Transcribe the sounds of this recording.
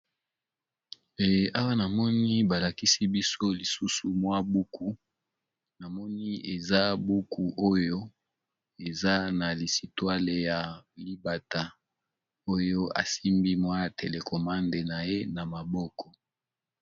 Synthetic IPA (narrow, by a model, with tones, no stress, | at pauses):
e˨je˨ʔa˦wa˦na˨mɔ˦ni˦ba˨la˨ki˦si˦bi˦so˦li˨su˦su˨mwa˦bu˦kʰu˦ | na˨mɔ˦ni˦e˨za˦bu˦ku˦ʔo˦jo˦ | e˨za˦na˨li˨si˨twa˦le˨ja˨li˦ba˨ta˨ | o˦jo˦a̰˨si˦mbi˦mwa˦tʰe˨le˨kʰo˨ma˦nde˨na˨je˦na˨ma˨bɔ˦kɔ˨